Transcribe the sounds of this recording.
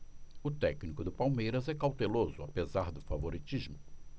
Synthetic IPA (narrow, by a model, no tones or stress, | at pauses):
ʊt̪ɛknikʊd̪ʊpawmejɾɐzɛkawt̪elozʊapezaɾd̪ʊfavoɾit͡ʃizmʊ